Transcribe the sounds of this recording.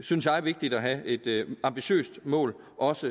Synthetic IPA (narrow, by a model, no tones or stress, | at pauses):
synsjɑ̈ɪæɐʋe̝ɡ̥̚d̥id̥æɦæʔe̝d̥ɑ̈mb̥iɕø̰ːsd̥mɔ̰ːl | ʔɒ̽sə